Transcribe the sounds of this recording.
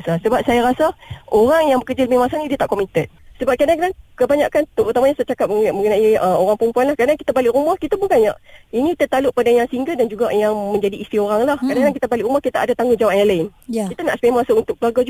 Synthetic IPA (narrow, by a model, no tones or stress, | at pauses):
sasəbap̚sajaɾasaʔoɾaŋjaŋbəkəd͡ʒaləbɪhmasanidiət̪aʔkomit̪ət̪̚səbap̚kadaŋkanaŋkəbaɲakant̪out̪amaɲast͡ʃakap̚mməŋənaiəmoɾaŋpəɾəmpuanlahkɾadaŋkit̪abalɪʔɾumahkit̪abuɡanjaʔinĩkit̪ət̪alʊʔpadajaŋsiŋɡədand͡ʒuɡajaŋmə̃ɲd͡ʒadiːst̪ioɾaŋlahkadaaŋk̬it̪abalɪʔɾumahkit̪aʔadat̪aŋɡud͡ʒawaʔjãlaɪnkit̪anaʔspemasaunt̪ʊkəlaɡad͡ʒ